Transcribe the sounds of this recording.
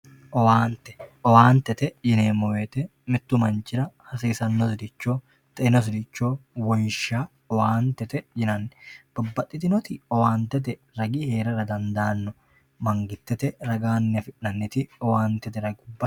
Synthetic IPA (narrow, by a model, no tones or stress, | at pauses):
ʔɔwaːnt̪ɛ̥ʔɔwaːnt̪ɛt̪ɛd͡ʒɪneːmːɔweːt̪ɛ | mɪt̪ːʊmɐnt͡ʃɪɾɐhɐsiːsɐnːɔsʊd̪ɪt͡ʃːoː | t̪ɐnɔs̬ɪd̪ɪt͡ʃːoːwɔnʃaː | ɔwaːnt̪ɛt̪ɛd͡ʒɪnɐnːɛ̥b̥ɔbːɐt̪ʼːɪt̪ɪnɔt̪ɪɔwaːnt̪ɛt̪̬ɛ | ɾɐɡiːhe̞ːɾɐɾɐd̪ɐnd̪aːnːɔ | mɐŋɡɪt̪ːɛt̪ɛɾɐɡaːnːɪɐfɪʔːɐnːɪt̪ɪɔwaːnt̪ɛt̪ɛɾɐɡʊbːɐ